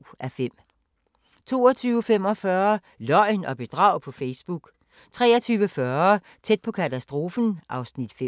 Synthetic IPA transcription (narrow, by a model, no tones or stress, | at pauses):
ʔæfem̰ | t͡sʰo̝̰ːɒt͡sʰyːʊəfem̰ɒ̽fɶːɐ | lɒ̽ɪnɒ̽b̥e̝d̥ʁɑ̈ʊ̰pʰɒ̽feɪsb̥uɡ̥ | t͡sʰʁɛ̰ːɐt͡sʰyːʋəfɶɐ | t͡sʰed̥̚pʰɒ̽kʰæt͡sʰæsd̥ʁo̝ːfn̩ʔɑ̈ʊsnid̥fe